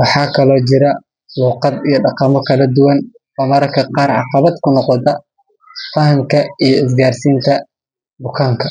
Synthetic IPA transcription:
wɑħɑːkʰɐlɔːt͡ʃɪɾɐ | luːqɑd̪ijɞɖɑqɑmɔkʰɐlɐd̪ʊwɐn | wɔːmɐɾɐkʰɐqɑːrʕɑ̰qɑβɐd̪kʰʊnɔqɔt̪ʰɐ | fɐɦɐmkʰɐijɔɪs̬ɡaːrsiːnt̪ʰɐ | bʊkʰaːŋkʰɐ

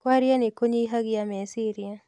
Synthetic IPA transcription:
kwaɾjanikoɲiɦaɡiamɛsiɾia

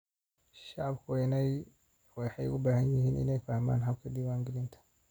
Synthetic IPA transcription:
ʃɑʕɑbkʰʊnɛj | wɛħɑjʊ̰baːhɐnjɪhiːnʔɪ̰nɛjfɐhma̰ːnɦɐb̚kʰɐd̪iwaːŋɡɪlɪnt̪ʰɐ̥

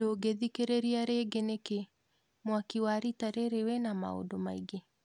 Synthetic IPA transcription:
oɡeðikeɾeɾiaɾeɡeneke | mwakiwaɾitaɾeɾewɛnama̰o̰domaiɡe

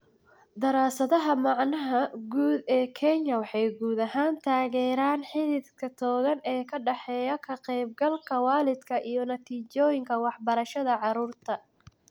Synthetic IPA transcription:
d̪ɐɾaːsɐðɐɦɐmɑʕnɐɦɐɡuːd̪ɛːkʰɛɲːɐwɑħɑjɡuːd̪ɐɦaːnt̪ʰaːɣɛːɾaːnħɪlɪd̪kʰɐt̪ʰɔːɣɐnɛːkʰɐɖɑħɛːjɐkʰɐqɛjb̚ɡɐlkʰɐwɑːlɪd̪kʰɐʔijɞnɐt̪ʰiːt͡ʃɔːjɪŋkʰɐwɑħbɐɾɐʃɐðɐʕɑɾuːrt̪ʰɐ

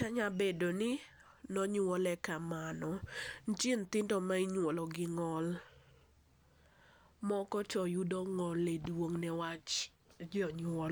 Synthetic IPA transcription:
taɲabedonɪ | nɔɲwɔlɛkamanɔnt͡ʃɪnt̪ɪndɔmaiɲwolɔɡɪŋɔl | mɔkɔt͡ʃɔjudɔŋɔledwoŋnɛwat͡ʃ | d͡ʒɔɲwɔl

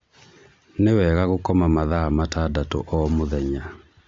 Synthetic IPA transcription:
newɛːɣaɣokɔmamaðamatadato̰ʔɔmoðɛɲa

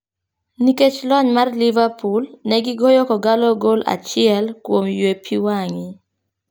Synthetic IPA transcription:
niket͡ʃlɔɲmarlivapulnɛɡiɡɔjɔkɔɡalɔɡola̰t͡ʃɪɛlkwomjwepʰiwaŋɪ

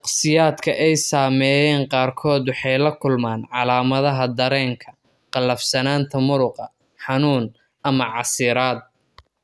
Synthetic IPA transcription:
ɑqsɪjaːd̪kʰɐʔɛjsaːmɛːjɛːɴqɑːrkʰɔːd̪wɑħɑjlɐkʰʊlmaːnʕɑlaːmɐðɐɦɐd̪ɐɾɛːŋkʰɐ̥ | qɑlːɐfsɐnaːnt̪ʰɐmʊɾʊqɑ | ħɑnuːn | ʔɐmɐʕɑsɪɾaːd̪̚

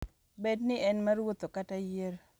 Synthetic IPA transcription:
bednɪʔɛnmɐɾwot̪okatajeɾ

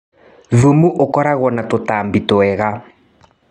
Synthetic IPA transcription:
ðumuʔokɔɾaɣwɔnatotaːmbitoɛɣa

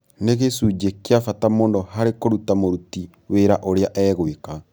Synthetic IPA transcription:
neɣesud͡ʒekeafatamoːndɔhaɾekoɾutamoɾuti | weɾaʔoɾeaʔɛːɣweka

